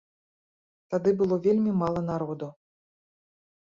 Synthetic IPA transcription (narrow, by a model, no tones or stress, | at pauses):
t̪ad̪ɨbɨlˠɔvʲelʲmʲimalˠɐn̪aɾɔd̪u